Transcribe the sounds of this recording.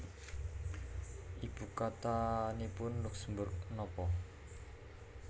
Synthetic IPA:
ʔib̥ukat̪anipʊnlʊksəmbʊrk̚nɔpɔ

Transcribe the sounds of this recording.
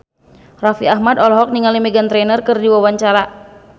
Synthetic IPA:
rafiahmadɔlɔɦɔk̚niŋalimɛɡant̪ɾɛnərkɨrdiwawaɲt͡ʃaɾa

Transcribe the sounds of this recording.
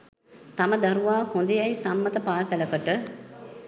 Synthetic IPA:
t̪aməd̪ɐɾuʋaːhond̪əjɐjsamːət̪əpaːsæləkəʈə

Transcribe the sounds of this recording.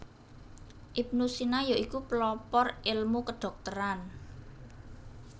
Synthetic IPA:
ʔip̚nusinajɔʔikuplɔpɔrɪlmukəɖ̥ɔ̤k̚t̪əɾan

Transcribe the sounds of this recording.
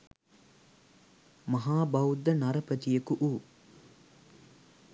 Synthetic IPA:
mɐɦaːbɐwud̪ːɐnɐɾɐpət̪ijəkuʔuː

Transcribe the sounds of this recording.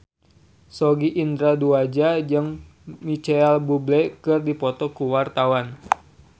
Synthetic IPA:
sɔɡiʔind̪ɾaduad͡ʒad͡ʒɨŋ | mit͡ʃɛɛlbublɛkɨrdipɔt̪ɔkuwart̪awan

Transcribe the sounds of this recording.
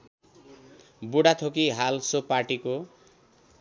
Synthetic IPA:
buɽat̪ʰokiɦalsopaʈiko

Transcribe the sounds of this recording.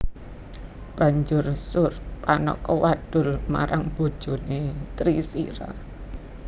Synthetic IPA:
b̥ä̤ɲd͡ʒʊrsʊrpanɔ̰kɔwaɖ̪̥ʊ̤lma̰ɾaŋb̥o̤d̥ʒ̥o̤net̪ɾisḭɾa̰

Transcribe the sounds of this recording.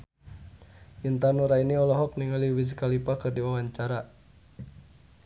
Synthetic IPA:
jənt̪anuɾainiɔlɔɦɔk̚niŋaliwis̬kalipakərdiwawaɲt͡ʃaɾa

